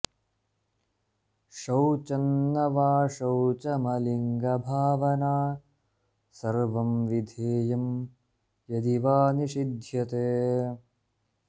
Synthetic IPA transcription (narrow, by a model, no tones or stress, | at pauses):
ʂɐwt͡ʃɐnːɐʋaːʂɐwt͡ʃɐmɐliŋɡɐbʱaːʋɐnaː | sɐɾʋɐmʋid̪ʱeːjɐm | jɐd̪iʋaːniʂid̪ʱjɐt̪eː